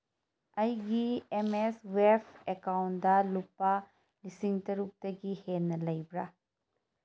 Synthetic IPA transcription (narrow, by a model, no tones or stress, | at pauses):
ɐjɡiemeswepʰekawnd̪alupːa | lisiŋt̪ɐɾuk̚t̪ɐɡihenːɐlɐjbɾa